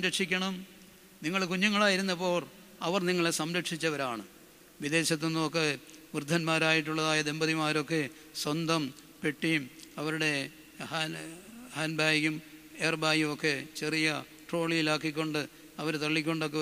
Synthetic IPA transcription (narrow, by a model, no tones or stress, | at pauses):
ɐmɾɐʈʂikʲːɐɳɐm | niŋːɐɭkuɲːuŋːɐɭaːjiɾunːɐpːo̞ːr | ɐʋɐrniŋːɐɭesɐmɾɐʈʂit͡ɕːɐʋɐɾaːɳɨ | ʋid̪e̞ːɕɐt̪̬ːonːumokːeʋrd̪ʱːɐnmaːɾaːjiʈːuɭːɐðaːjɐd̪e̞mbɐðimaːɾo̞kːe̞ | swɐnd̪ʱɐm | peʈːijumɐʋɐɾuɽe̞ | ha | haːnbaːjjumeːrbaːjumokːe̞t͡ɕe̞rijɐ | ʈro̞ːɭijilaːk̬ːikʲːo̞ɳɖɨ | ɐʋɐɾt̪ɐɭːikʲːo̞ɳɖokːe